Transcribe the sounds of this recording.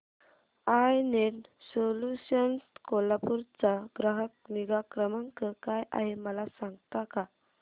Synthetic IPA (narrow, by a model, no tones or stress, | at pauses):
ajneʈsoluɕənskolapuɾt͡saɡɾaɦək̚miɡakɾəməŋkəkaja̰ɦeməlasãŋɡt̪aka